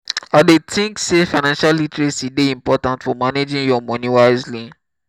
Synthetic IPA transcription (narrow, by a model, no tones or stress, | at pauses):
adetʰĩŋksefaɪnãnʃalːitɹesideĩmpɔtãntfɔmaned͡ʒĩnjɔmɔ̃nĩwaɪzli